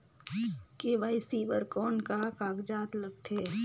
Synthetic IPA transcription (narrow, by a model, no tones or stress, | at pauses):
keːʋaːɪsiːbəɾkɔːnkakaːɡd͡ʒaːt̪lɐɡt̪ʰeː